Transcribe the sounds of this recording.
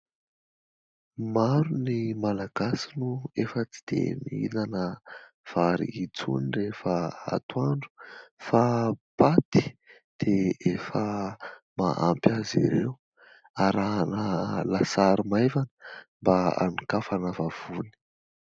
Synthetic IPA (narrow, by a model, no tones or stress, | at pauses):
maɾunimalaɡ̥asinuefət͡si̥d̪̥ḛmiḭnanə | v̥aɾḭit͡sṵnirefəa̰t̪uaɳɖ͡ʐu̥fapat̪i̥ | d̪̥eefəma̰ʔa̰mpʲazḭɾew | aɾaɦnəlasaɾimevanəmbaa̰nikafanəvav̥uni̥